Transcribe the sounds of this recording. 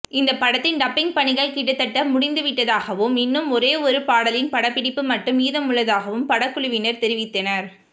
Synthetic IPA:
ɪnd̪ɐpɐɽɐt̪ːɪnɖɐpːɪŋɡ̚pɐɳɪɣɐɭkɪʈːɯt̪ːɐʈːɐmʊɽɪnd̪ɯʋɪʈːɐðaːɣɐʋɯmɪnːɯmɔɾeːɔɾɯpaːɽɐlɪnpɐɽɐpːɪɽɪpːɯmɐʈːɯmiːðɐmʊɭːɐðaːɣɐʋɯmpɐɽɐkːʊɭɯʋɪnɐɾt̪ɛɾɪʋɪt̪ːɐnɐɾ

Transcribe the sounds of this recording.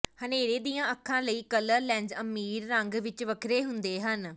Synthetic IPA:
həneːɾeːd̪iːjãːəkʰːãːləiːkələɾlɛ̃ːnd͡ʒəmːiːɾːə̃ŋɡʋɪt͡ʃʋəkʰɾeːɦʊnd̪eːɦən

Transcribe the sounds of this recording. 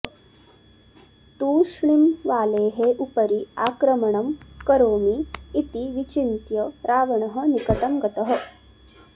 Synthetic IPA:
t̪uːʂɳimʋaːleːɦeʔupɐɾiaːkɾɐmɐɳɐmkɐɾoːmiːt̪iʋit͡ʃint̪jɐɾaːʋɐɳɐɦɐ̆nikɐt̪ɐmɡɐt̪ɐɦɐ̆

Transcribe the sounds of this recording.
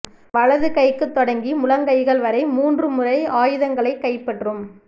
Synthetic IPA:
ʋɐɭɐðɯkɐɪkːɯt̪ːɔɽɐŋɡimʊlɐŋɡɐɪɣɐɭʋɐɾɐɪmuːndrɯmʊrɐɪaːjɯðɐŋɡɐɭɐɪkːɐɪpːɐʈrɯm

